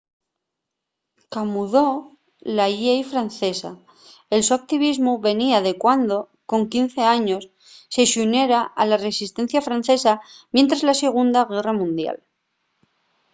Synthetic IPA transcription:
kamuðo̞ | laiejfɾanθe̞sa̰ | elsuak̚t̪iβizmuβe̞niaðe̞kwand̪o̞ | ko̞ŋkin̟θe̞aɲo̞sː | e̞ʃune̞ɾaʔalare̞sist̪ẽ̞n̟θjafɾanθe̞samje̞nt̪ɾazlase̞ɣ̞und̪aɣe̞ramũnd̪ja̰l

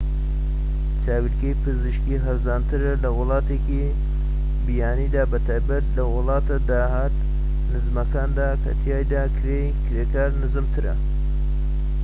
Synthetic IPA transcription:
t͡ʃʰaːwilkejpʰɨzɨʃkiɦɐɾzaːnt̪ʰɨɾɐlɐwʊlˠɑːt̪eːki | bijaːniːd̪aːbɐt̪ʰaːjbɐt̪̚lɐwʊlɑːt̪ad̪aːɦaːt̪ | nɨzmɐkaːnd̪aːkʰɐ̰t̪ʰijaːjd̪aːkʰɾejkʰɾeːkaːɾnɨzɨmt̪ʰɨɾɐ̰

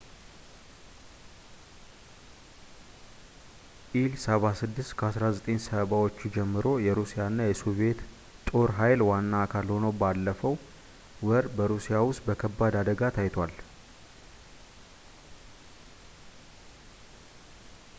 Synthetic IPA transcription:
ʔilsəβasɨd̪ːɨst̪kʰəasɾazət̪ʼeɲsəβawo̞t͡ʃːud͡ʒɛmːɨɾo̞jɛɾusijanːajɛsoβe̞t̪ | t̪ʼo̞ɾɦajlwanːaːkʰalho̞nəwbalːəfəw | wəɾbəɾusijawʊst̪bəkʰəbːad̪ad̪əɡat̪ʰajt̪ʰwal

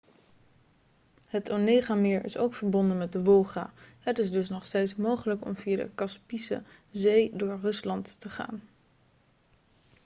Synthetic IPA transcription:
hətʰonejχamɪːɹʔɪ̰so̰wkfəɹbɔndənmɛt̚dəʋɔlˠχa̰ːɦətɪsdɵs̬nɔχstejtsmowχələkɔ̰mviːadə̰kɑspisə̰zejdʊːɹrɵslɑntːəχa̰ːn

